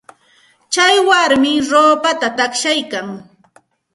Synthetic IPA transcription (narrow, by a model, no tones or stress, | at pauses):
t͡ʃajwaɾmɪɾoːpat̪at̪akʃajkaŋ